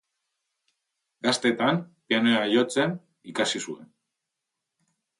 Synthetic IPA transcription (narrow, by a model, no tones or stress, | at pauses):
ɡast̪e̞t̪ampianoeaʎo̞t͡se̞n | ikasisue̞n